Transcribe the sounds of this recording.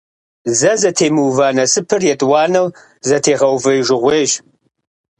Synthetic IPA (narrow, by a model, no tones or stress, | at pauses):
zɐzɐtʰeːmuːvanɐsɨpʰɨrjɛtʼwɑːnɐw | zɐtʰeːʁɐwvɨjʒɪʁʷeːʒ